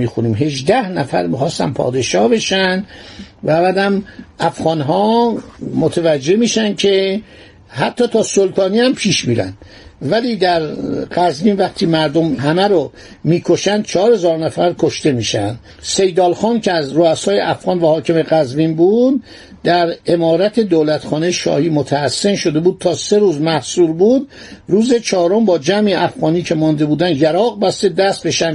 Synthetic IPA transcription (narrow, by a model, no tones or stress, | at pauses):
iːxuniːmɦe̞ʒd̪æhnæfæ̰ɾmiːxɒːst̪æ̰npʰɒ̰ːd̪eʃɒːhbe̞ʃænd̪væbæd̪æmʔæfɣɒːnɦɒː | mot̪ʰævæd͡ʒːe̞miːʃænd̪cʰe | hæt̪ʰːɒːt̪ʰɒːsolt̪ʰɒːniːæmpʰiːʃmiːɾæ̰nd̪̥ | væliːd̪æɾɢæzbiːnvæχt̪ʰiːmæɾd̪omɦæmæɾo | miːkʰo̞ʃænd̪̥̚t͡ʃʰɒːɾhezɒːɾnæfæɾkʰoʃt̪e̞miːʃænd̪ | se̞jd̪ɒːlxɒːncʰeæzroæsɒːjeʔæfɣɑːnvæhɒːcʰe̞meɣæzviːnbuːd̪ː | æɾe̞mɒːɾæt̪ʰe̞d̪oːlæt̪xɒːnejeʃɒ̰ːhiːmot̪ʰæːsːe̞nʃo̞d̪e̞buːd̪̥̚t̪ʰɒːse̞ɾuːzmæhsuːɾbuːd̪ | ruːze̞t͡ʃʰɒːɾombɒːd͡ʒæmiʔæfɣɒːniːcʰe̞mɒːnd̪e̞buːd̪ænd̪jæɾɒːɣbæst̪e̞d̪æst̪̚beʃæn